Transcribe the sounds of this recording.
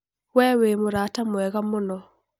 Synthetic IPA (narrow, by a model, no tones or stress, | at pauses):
wɛwemoɾatamwɛɣamonɔ